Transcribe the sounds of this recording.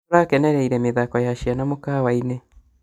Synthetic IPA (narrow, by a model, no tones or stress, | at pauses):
ɾakɛnɛɾɛiɾɛmeðakɔjaʃianamokawaine